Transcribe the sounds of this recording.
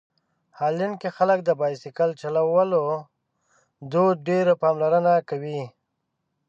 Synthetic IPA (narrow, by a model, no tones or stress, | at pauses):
hɑlinkexalək̚d̪əbɑjsɪkəlt͡ʃalawəlo | d̪oɖeɾapɑmlaɾənakawi